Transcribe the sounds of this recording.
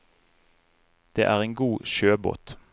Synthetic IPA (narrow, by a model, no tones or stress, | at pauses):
d̪̥ḛːʔæːʁeːŋɡuːʃøːbo̰ːt̪